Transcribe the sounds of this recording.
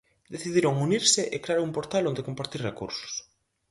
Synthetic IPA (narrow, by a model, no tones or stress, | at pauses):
d̪eθiðiɾoŋuniɾsɪʔekɾeaɾumpoɾt̪alõnd̪ekompaɾt̪irekṵɾsʊ̥s